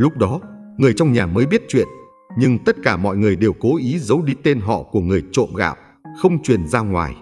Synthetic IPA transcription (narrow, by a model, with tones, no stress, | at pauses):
lʊ˦˥k͡p̚ɗɔ˨˦ŋɨ˨˩əjt͡ɕɔ˧wŋ͡mɲaː˨˩məː˨˦jɓi˦˥ət̚t͡ɕwḭ˧˨ən | ɲɨ˧ŋt̪ə˦˥t̚kaː˧˩mɔ̰˧˨jŋɨ˨˩əjɗe˨˩wko˨˦ʔi˨˦zə˨˦wɗi˧t̪e˧nɦɔ̰˧˨ku˧˩əŋɨ˨˩əjt͡ɕo̰˧˨mɣa̰ː˧˨w | xə˧wŋ͡mt͡ɕwi˨˩ənzaː˧ŋwa̰ː˨˩j